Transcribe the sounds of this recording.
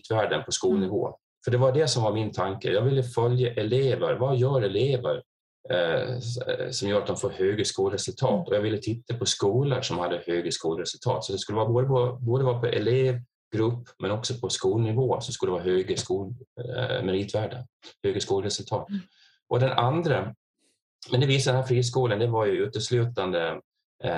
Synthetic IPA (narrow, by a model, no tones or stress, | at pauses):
t̪væːɖənpʰɔskuːlnɪvo̰ː | fœɖɛvaɖɛsɔmvaɾmɪnt̪ʰaŋkə̰jɑːɡvɪlːəfœljəʔɛleːvəɾvajœːɾɛleːvə̰ɾ | sɔmjuːɾat̪̚d̪ɔmfoːɾhøːɡəskuːlɾɛsɵlt̪ʰɑːt̪ɔjɑɡvɪlːət̪ʰɪt̪ːapʰɔskuːləʂɔmhad̪ːəhøːɡəskuːlɾɛsɵlt̪ʰɑ̰ːt̪sɔt̪d̪ɛskɵlːəvːboːd̪əpɔboːd̪əvɑːpʰɔʔɛ̰leːv | ɡ̥ɾɵpːmɛnɔksɔpʰɔskuːlnɪvoːsɔmskɵlːəvɑːɦøːɡəskuːl | mɛɾiːt̪væːɖəhøːɡəskuːlɾɛsɵlt̪ʰɑːt̪ | ʔɔd̪ɛnand̪ɾə | mɛnd̪ɛviːsad̪ɛnhæːɾfɾiːs̬kuːlənd̪ɛvaɾjɵʉːt̪əʂlʉ̟ːt̪and̪ə